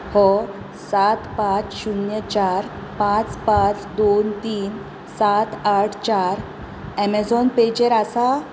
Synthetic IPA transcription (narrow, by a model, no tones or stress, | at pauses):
hɔ | sat̪pãt͡sɕunjət͡ɕaɾ | pãt͡spãt͡sd̪ont̪iːn | sat̪aʈʰt͡ɕaɾ | ɛmed͡zɔnped͡ʑeɾasa